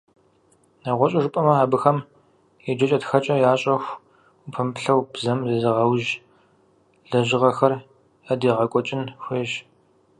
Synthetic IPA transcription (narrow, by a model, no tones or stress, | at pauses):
naʁʷɔɕʼɐʐɨpʼɐmɐaːbɨxɐm | ɛd͡ʒɐt͡ʃʼɐtxɐt͡ʃʼɐjaːɕʼɐxʷ | upʰɐmpɬɐwbzɐmzɐzɨʁɐwʒ | ɮɐʑɪʁɐxɐr | ɐdiːʁɐkʷʼɔt͡ʃʼɪnxʷeːʒ